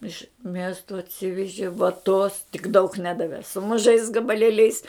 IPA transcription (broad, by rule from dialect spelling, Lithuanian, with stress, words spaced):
ɪʃ ˈmʲiɛstoː ɐtʲˈsʲɪʋʲɛʒʲɪ ʋɐˈtoːs tʲɪk dɐʊk ˈnʲæːdɐʋʲɛ sʊ mʊˈʒɐɪs ɡɐbɐˈlʲeːlʲɛɪs